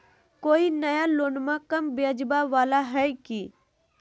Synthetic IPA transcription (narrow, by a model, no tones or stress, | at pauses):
koːinəjaloːnmakəmbed͡ʒbaʋaːlaɦɛjkiː